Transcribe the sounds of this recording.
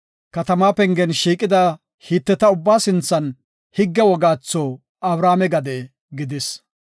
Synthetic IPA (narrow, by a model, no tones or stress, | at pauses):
kɐt̪ɐmaːpɛŋɡɛnʃiːkʼɪd̪ɐ | hiːt̪ːɛt̪ɐʊbːaːsɪnt͡sːɐn | hɪɡːɛwɔɡaːt͡sːoː | ɐbɾaːmɛɡɐd̪ɛ | ɡɪd̪ɪs